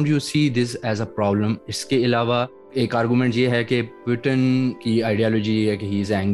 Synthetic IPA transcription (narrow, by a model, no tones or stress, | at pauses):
ɳɖjuːsiːd̪ɪs̬ɛzəpɾɔːblə̃mɪskeɪlaːʋa | eːkaːɾɡjumɛ̃ɳʈjeɦɛkebɾɪʈə̃nkiaːɪɖiɔːlɔd͡ʒijeɦɛkeɦiːɪzɛ̃ŋɡ